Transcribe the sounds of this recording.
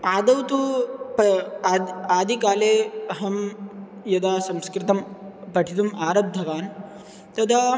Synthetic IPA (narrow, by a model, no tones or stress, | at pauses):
aːd̪ɐwt̪upː | aːd̪ʱikaːleːɐɦɐm | jɐd̪aːsɐmskɾɪt̪ɐmpɐʈʰit̪umaːɾɐb̚d̪ʱɐʋaːn | t̪ɐd̪ʱaː